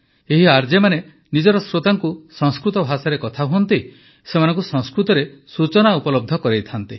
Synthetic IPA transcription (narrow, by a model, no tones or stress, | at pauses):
eɦiaɾd͡ʒemane | nid͡ʒɔɾɔsɾot̪aŋkusɔ̃ŋskɾut̪ɔbʱasaɾekɔt̪ʰaɦuɔnt̪i | semanɔ̃ŋkusɔ̃ŋskɾut̪ɔɾesut͡ʃɔnaupɔlɔb̚d̪ʱɔkɔɾejt̪ʰant̪i